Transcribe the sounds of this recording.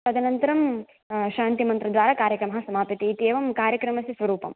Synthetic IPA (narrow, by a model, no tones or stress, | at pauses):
t̪ɐd̪ʱɐnɐnt̪ɐɾɐm | ʃaːnt̪imɐnt̪ɾɐd̪ʋaːɾaːkaːɾjɐkɾɐmɐɦɐsɐmaːpit̪iːt̪eːʋɐmkaːɾjɐkɾɐmɐsisʋɐɾuːpɐ̰m